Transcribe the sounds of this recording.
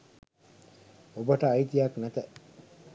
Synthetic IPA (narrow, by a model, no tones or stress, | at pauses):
obəʈəːit̪ijaknæt̪ə